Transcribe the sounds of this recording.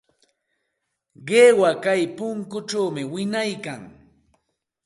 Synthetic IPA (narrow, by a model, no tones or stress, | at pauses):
ɢeːwakajpʊŋkʊʈ͡ʂawmɪwɪnajkaŋ